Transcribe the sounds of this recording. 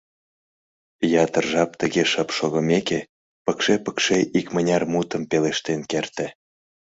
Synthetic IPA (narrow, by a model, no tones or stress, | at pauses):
jɑt̪ərʒɑp̚t̪əɣeʃəpʃoɣə̆meke | pəkʃepə̥kʃeʔikmənʲɑrmut̪əmpeleʃt̪enkert̪ĕ